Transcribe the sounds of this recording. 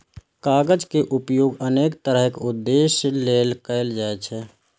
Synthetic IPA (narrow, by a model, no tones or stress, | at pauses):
kaɡəd͡ʒkeʔupjoːɡənekt̪əɾəɦekud̪ːeslelkəɪld͡ʒaɛt͡ʃʰɛ